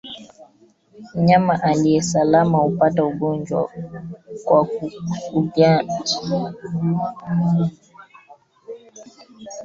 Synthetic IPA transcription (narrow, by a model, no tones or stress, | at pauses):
m̩ɲamaʔaliɛsalamaupatauɡɔnd͡ʒwa̰ | kwa | ubjad͡ʒi